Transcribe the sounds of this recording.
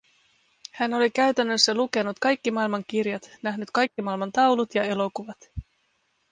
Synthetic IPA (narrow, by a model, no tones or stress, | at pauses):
hæno̞lik̟æɥt̪ænːø̞sːæluke̞nut̪kɑjkːimɑːilmɑŋk̟irjɑt̪næɦnyt̪kɑjkːimɑːilmɑnt̪ɑwlut̪jɑe̞lo̞kuʋɑt̪